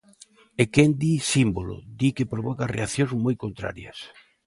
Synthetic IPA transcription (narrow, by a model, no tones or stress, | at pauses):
ekend̪isimbolo̰d̪ikepɾoβɔkɐreaθjoŋzmojkont̪ɾa̰ɾjɐ̰s